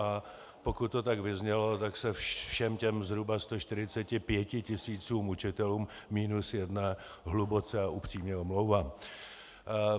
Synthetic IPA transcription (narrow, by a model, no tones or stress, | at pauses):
a | po̞kʊt̪̚ːot̪̬aɡvɪzɲɛlo̞t̪aksɛfʃɛmcɛmzɦɾubast̪oʃt̪ɪɾɪt͡sɛcɪpjɛcɪcɪsiːt͡suːmut͡ʃɪt̪ɛluːmːiːnusjɛdna | ɦlubot͡sɛaupr̥iːmɲɛomlowvaːm